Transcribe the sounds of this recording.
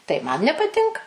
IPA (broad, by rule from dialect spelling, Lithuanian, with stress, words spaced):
tɐɪ mɐn nʲɛpɐˈtʲɪŋkɐ